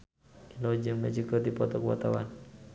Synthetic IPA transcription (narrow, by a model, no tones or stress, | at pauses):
ilod͡ʒəŋmət͡ʃikɔd̪ipɔt̪ɔkəwa̰t̪awa̰n